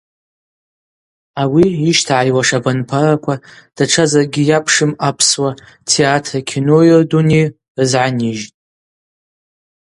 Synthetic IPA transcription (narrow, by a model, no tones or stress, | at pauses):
awiːʃtʰaʕajwaʂabanpʰarakʷʰad̥aʈ͡ʂʰazarɡʲijapʰʂɨmapʰswa | tʰeatʰakʲʰinojorduni | ɨzʕaniʒtʼ